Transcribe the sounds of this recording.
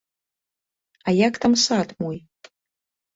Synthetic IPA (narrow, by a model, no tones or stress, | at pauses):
ajakt̪ʰamsatʰʼmuj